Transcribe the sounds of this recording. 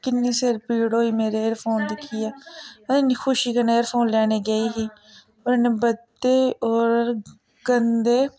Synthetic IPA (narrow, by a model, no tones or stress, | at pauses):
kɪnːẽːseːɾpiːɽɦoːiːmeːɾeːɾpʰoːnd̪ɪkʰːiːɛːəeːniːxʰʊʃiːkəneːəɾpʰoːnlɛːɽeːɡəiːɦiː | oɾneːbəd̪eːoːɾ | ɡənd̪eː